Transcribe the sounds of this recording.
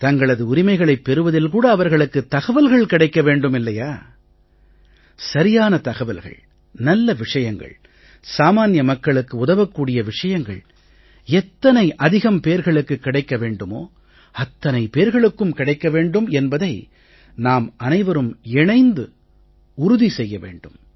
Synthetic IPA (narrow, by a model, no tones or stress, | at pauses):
t̪ɐŋɡɐɭɐðɯʊɾɪmɐɪɣɐɭɐɪpːɛɾɯʋɐðɪlkuːɽɐːʋɐɾɣɐɭɯkːɯt̪ɐɣɐʋɐlɣɐɭkɪɽɐɪkːɐʋeːɳɖɯmɪlːɐjaː | sɐɾɪjaːnɐt̪ɐɣɐʋɐlɣɐ̰ɭ | nɐlːɐʋɪʂɐjɐŋɡɐ̰ɭ | saːmaːnjɐmɐkːɐɭɯkːɯʊðɐʋɐkːuːɽɪjɐʋɪʂɐjɐŋɡɐ̰ɭ | ɛt̪ːɐnɐɪʔɐðɪɣɐmpeːɾɣɐɭɯkːɯkːɪɽɐɪkːɐʋeːɳɖɯmo̰ː | ɐt̪ːɐnɐɪpeːɾɣɐɭɯkːɯmkɪɽɐɪkːɐʋeːɳɖɯmɛnbɐðɐɪ | naːmɐnɐɪʋɐɾɯmɛɳɐɪnd̪ɯ | ʊɾʊðisɛjːɐʋḛːɳɖɯm